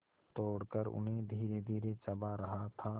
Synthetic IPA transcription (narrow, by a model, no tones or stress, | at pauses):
t̪oːɽkəɾʊ̰nɦẽd̪ʱiːɾed̪ʱiːɾet͡ʃəbaɾəɦat̪ʰa